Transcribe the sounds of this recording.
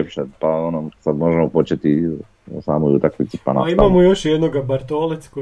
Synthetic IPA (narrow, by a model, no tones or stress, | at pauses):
epʃepaonosad̪mo̞ʒemopo̞t͡ʃet̪i | saːmojut̪akʋit̪si̥panaimamojoʃjed̪noɡabaɾt̪olet̪sko